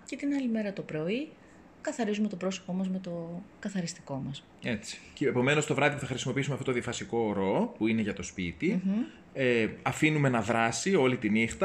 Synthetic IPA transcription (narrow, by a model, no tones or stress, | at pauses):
ce̞t̪inɐlime̞ɾɐt̪o̞pɾo̞i | kɐθɐɾizume̞t̪opɾo̞so̞̥po̞mɐzme̞t̪o̞kɐθɐɾist̪i̥ko̞mɐs | e̞t͡si̥ceepo̞me̞no̞st̪o̞vɾɐðipuθɐxɾisimo̞piisumeft̪ot̪oðiɐfɐsiko̞ɾo̞puine̞ʝɐt̪o̞spit̪i | eɐfinume̞nɐðɾɐsio̞lit̪inixt̪ɐ